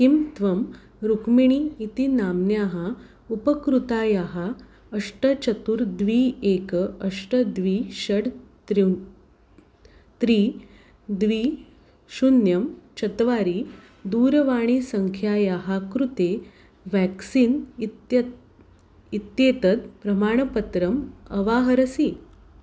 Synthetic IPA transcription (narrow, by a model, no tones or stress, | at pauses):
kimt̪ʋəm | ɾukmiɳ̃iːt̪inamnjaɦa | upəkɾut̪ajaɦa | əʂʈət͡ɕət̪uːɾd̪ʋiekəʂʈəd̪ʋiːɕəɽt̪ɾ | t̪ɾiː | d̪ʋiː | ɕunjəmt͡ɕət̪ʋaɾiː | d̪uːɾʋaɽ̃iːsəŋkʰjajaɦakɾut̪e | ʋæksiːn | it̪jet̪ət̪̚pɾɐmaːɳ̃ɐpət̪ɾəməʋaɦəɾəsiː